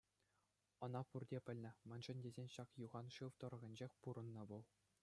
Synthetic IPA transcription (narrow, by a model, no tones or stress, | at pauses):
ɤ̆nɑpurdʲepʲɘ̆lʲnʲɘ̆mʲɘ̆nʐɘ̆nʲdʲezʲenʲɕɑkjuʁɑnʂɯʋt̪ɤ̆ɾɤ̆ɣʲɤ̆nʲd͡ʑexʲpuɾɤ̆nːɤ̆ʋulˠ